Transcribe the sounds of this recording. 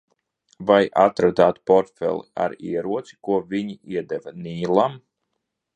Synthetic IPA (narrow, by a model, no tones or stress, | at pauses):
vajat̪ɾad̪aːt̪pɔɾt̪fɛ̰lˠḭa̰ɾiɛɾuɔt̪si̥kuɔvʲiɲiiɛd̪ɛvaniːlˠam